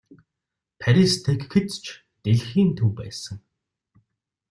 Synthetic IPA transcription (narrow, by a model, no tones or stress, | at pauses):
pʰæɾʲist̪ʰekxet͡st͡ɕʰ | t̪eɮxiːnt̪ʰuwpæ̰ːsə̆ŋ